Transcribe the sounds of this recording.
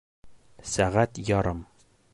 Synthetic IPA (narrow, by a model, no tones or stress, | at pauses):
sæʁæt̪jɒɾɤm